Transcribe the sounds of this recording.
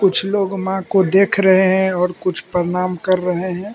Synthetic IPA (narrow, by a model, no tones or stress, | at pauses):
kʊt͡ʃʰloːɡmãkod̪eːkʰɾəɦeɦɛ̃ɔːɾkʊt͡ʃʰpəɾɪnaːmkɐɾːəɦeɦɛ̃ː